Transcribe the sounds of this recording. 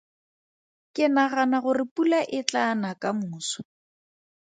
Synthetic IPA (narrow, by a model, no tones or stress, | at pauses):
kʼɪnaɣanaɣʊrɪpʼulaʔɪt͡ɬanakamʊːsɔ̥